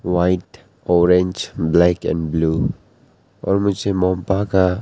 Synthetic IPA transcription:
wajʈ | ɔɾẽnd͡ʒblɛkɛ̰̃nblu | ɔ̰ɾmʊsemɔmpaka

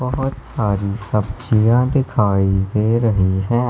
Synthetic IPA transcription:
bɐɦʊt̪saːɾisɐb̚d͡ʒijãd̪ɪkʰaːid̪eːɾɐɦiɦɛ̃ː

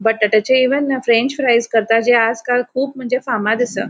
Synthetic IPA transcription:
bəʈːəʈət͡ɕeiʋənfɾeɲt͡ɕpɾajzkəɾt̪ad͡ʑead͡zkalkʰuːp̚m̤əɳd͡zefamad̪əsə̰ː

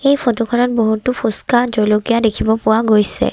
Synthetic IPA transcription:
ejpʰotokʰɔnɔt̚boɦutupʰuskazɔjlokijadekʰibɔpʊwaɡojsɛ̰

